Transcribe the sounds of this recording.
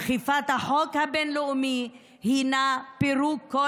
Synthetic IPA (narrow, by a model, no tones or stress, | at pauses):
χifat̪haħokhabɛnloumi | hinapiɾukːo